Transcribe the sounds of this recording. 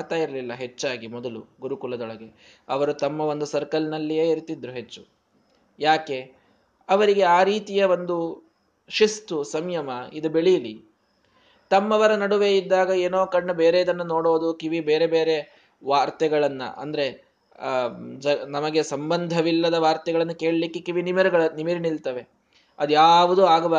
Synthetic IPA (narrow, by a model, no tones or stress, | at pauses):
ɾt̪aːjiɾɐlilːɐɦe̞t͡ʃːaːɡimɔd̪ɐlṵɡuɾukulɐd̪ɔɭɐɡe̞ | ɐʋɐɾut̪ɐmːɐo̞nd̪usɐɾkɐlnɐlːijeːiɾt̪id̪ɾuɦe̞t͡ʃːu | jaːke̞ | ɐʋɐɾiɡe̞aːɾiːt̪ijɐʋo̞nd̪u | ʃist̪usɐmjɐmɐid̪ubeɭijɐli | t̪ɐmːɐʋɐɾɐnɐɽuʋe̞id̪ːaːɡɐeːnoːkɐɳːɐbe̞ːɾeid̪ɐnːɐno̞ːɽoːd̪ukiʋibeːɾe̞beːɾe̞ | ʋaːɾt̪ɛɡɐɭɐnːɐ̰ʔɐ̰nd̪ɐɾe̞ | d͡ʒɐnɐmɐɡe̞sɐmbɐnd̪ʱɐʋilːɐd̪ɐʋaːɾt̪ɛɡɐɭɐnːɐke̞ːɭɐlikːekiʋinimɐɾuɡɐɭɐnimiɾinilt̪ɐʋe̞ | ɐd̪ujaːʋud̪uaːɡɐba